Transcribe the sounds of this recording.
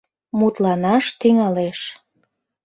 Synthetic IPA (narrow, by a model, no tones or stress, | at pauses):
mut̪lɑnɑʃt̪yŋɑleʃ